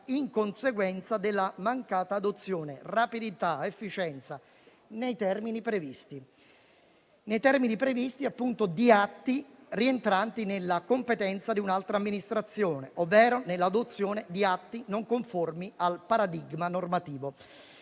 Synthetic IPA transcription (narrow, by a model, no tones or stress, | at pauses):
iŋkonseɡwɛnt̪sad̪elːamaŋkaːt̪aːd̪ot̪sːjoːnerapid̪it̪aefːit͡ʃɛnt̪sa | nejt̪ɛrminipɾevist̪i | nejt̪ɛrminipɾevist̪iapːunt̪od̪iat̪ːirient̪ɾant̪inelːakompet̪ɛnt̪sad̪iunalt̪ɾaːmːinist̪ɾat̪sːjoːneʔovːɛːɾonelːad̪ot̪sːjoːned̪iat̪ːinoŋkoɱformialpaɾad̪iɡmanormat̪iːvo